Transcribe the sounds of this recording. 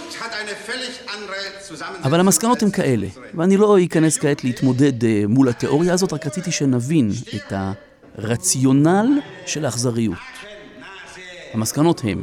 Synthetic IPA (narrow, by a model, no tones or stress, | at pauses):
hataɪnəfɛlɪçandʁə | aʔavalhamaskano̞themkaʔe̞le̞̰ | veanilo̞ikaneskaetleit̪mo̞de̞dmulhat̪eʔo̞ʁjaːzo̞tʁakʁat͡sit̪iʃenavinetha̰ | ʁat͡sjo̞nalʃe̞laχzaʁijṵt̚ | hamaskano̞the̞̰m